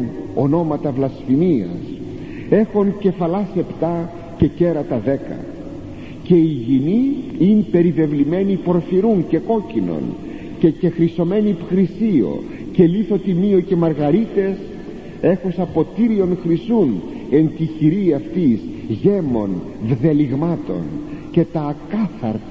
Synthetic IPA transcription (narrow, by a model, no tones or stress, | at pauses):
no̞no̞mɐt̪ɐvlɐsfimiɐ̰s | e̞xonce̞fɐlɐse̞pt̪ɐ | ce̞ce̞ɾɐt̪ɐðe̞kɐ̰ | ce̞iʝiniinpe̞ɾive̞vlime̞nipo̞ɾfiɾunce̞ko̞cino̞̰n | ce̞ce̞xɾiso̞me̞nipxɾisio̞̰ | ce̞liθo̞t̪imioce̞mɐɾɣɐɾit̪e̞s | e̞xosɐpo̞t̪iɾio̞nxɾisune̞nt̪içiɾiɐft̪izʝe̞mo̞n | vðeliɣmɐt̪o̞̰nce̞t̪ɐːkɐθɐɾ